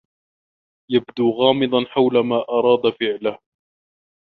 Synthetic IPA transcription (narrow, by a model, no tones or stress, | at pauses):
jabd̪uːɣɑːmɨd̪ˤɑnħawlamaːʔɑɾˤɑːd̪afɪʕlah